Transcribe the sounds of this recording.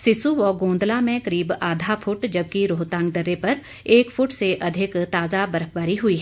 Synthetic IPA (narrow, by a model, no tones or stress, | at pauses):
sɪsuʋɔːɡõːnd̪lamẽkɐɾiːbaːd̪ʱapʰʊʈd͡ʒɐb̚kiɾoːt̪ãːŋɡ̚d̪ɐɾːepɐɾ | eːkfʰʊʈseʔɐd̪ʱɪkt̪aːzabɐɾəkbaːɾiɦʊiɦɛː